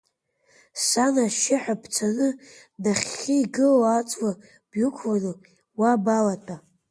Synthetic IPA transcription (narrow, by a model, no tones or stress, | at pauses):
sanaʃɪħʷᶣapʰt͡sʷʰanɨ | naχʲːɪiɡɨlat͡sʼwa | b̥jukʷʰwanɨ | wabalatʼa